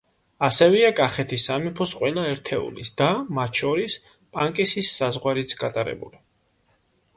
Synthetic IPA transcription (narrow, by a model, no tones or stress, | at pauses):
asɛvɛakʼaχɛt̪ʰisamipʰɔsqʼwɛlaɛɾt̪ʰɛṵlḭsd̪̥amat̪ʰʃɔɾis | pʼaŋkʼisisːazʁwaɾit̪sʰɡ̥at̪ʼaɾɛ̰bṵli